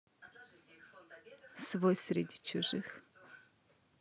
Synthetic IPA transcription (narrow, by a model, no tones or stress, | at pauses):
svojsɾʲɪ̰dʲit͡ʃʰʊʐɨx